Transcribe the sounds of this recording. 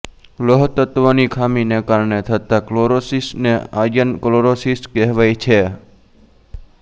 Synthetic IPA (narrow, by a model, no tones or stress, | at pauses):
loɦt̪ət̪ʋonikʰaminekaɾɳet̪ʰət̪akloɾosisnea̰d͡ʒənkloɾosiskɛɦʋajt͡ʃʰe